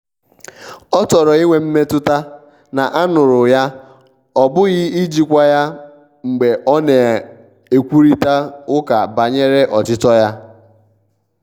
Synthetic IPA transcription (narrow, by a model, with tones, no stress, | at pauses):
ɔ˦tɔ˨ɾɔ˨i˦ŋʷe˨m̩˦me˦tʊ˦ta˦ | na˨ʔa˦nʊ˨ɾʊ˨ja˦ | ɔ˦bʊ˦ɣɪ˦i˦d͡ʒi˦kʷa˦ja˦ | ŋ͡m̩˨ɡ͡be˨ʔɔ˦ne˨ | e˨kʷu˦ɾi˦ta˦ʊ˦ka˨ba˨ɲe˦ɾe˦ʔɔ˨t͡ʃɪ˦tɔ˦ja˦